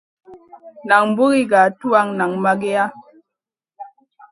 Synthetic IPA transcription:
na˨ŋm˦bu˦ɣi˦ɡa˨tu˦a˦ŋna˨ŋma˦ɡe˦a˦

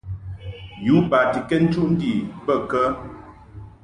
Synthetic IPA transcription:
ju˨˦ba˨ti˨kɛ˦n̩˦t͡ʃu˦ʔn̩˦di˨bə˦˨kə˦

